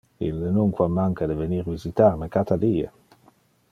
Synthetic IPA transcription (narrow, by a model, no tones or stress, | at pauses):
ilːənuŋkwamːaŋkad̪əveniɾvizit̪arnekat̪ʰad̪iːḛ